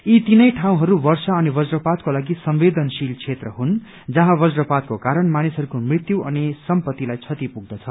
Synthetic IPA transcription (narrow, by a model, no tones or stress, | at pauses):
it̪inʌjʈʰaw̃ɦʌɾubʌrsaʌnibʌd͡zrʌpat̪̚kolaɡisʌmbed̪ʌnsilt͡sʰet̪rʌɦun | d͡zʌɦãbʌd͡zrʌpat̪̚kokaɾʌnmanisɦʌɾukomrit̪juʔʌnisʌmpʌt̪ːilajt͡sʰʌt̪ipuɡ̚d̪ʌt͡sʰʌ